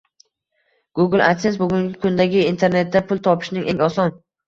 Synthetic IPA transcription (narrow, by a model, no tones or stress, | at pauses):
ɡ̥ʊɡɪlˠa̰t̪ʰesbʊɡʲʊŋɡʲɪkʰʊnd̪aɡʲɪint̪ʰe̞ɾne̞t̪̚ːapʰʊlˠt̪ʰɒpʰɪ̥ʃnɪŋʔe̞ŋɒsɒn